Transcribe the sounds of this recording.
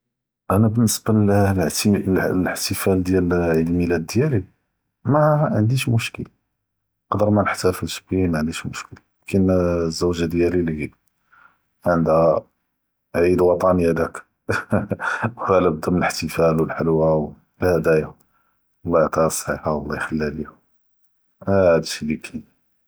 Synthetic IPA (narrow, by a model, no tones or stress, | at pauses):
ʔænæbənːəsba | ləħt̪əfæld̪jælʕid̪lmilæd̪ːjæli | mæʕənd̪iʃmʊʃkəl | qɑd̪əɾˤmænəħt̪æfəlʃbimʕənd̪iʃmʊʃkəl | kənzːuwʒad̪jælilihi | ʕənd̪æ | ʕid̪wɑt̪ˤɑnhæd̪æk | whælæb̚d̪æmənələħt̪əfælwəlħəlwaw | lhæd̪æja | əlːɑjʕt̪ˤɑsˤħiħawəlːɑjxəlːælihʊ | hæd̪ʃilikʰi